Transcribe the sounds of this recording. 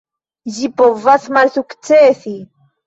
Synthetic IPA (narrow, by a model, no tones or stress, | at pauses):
ʒipovasmalsukt͡seːθi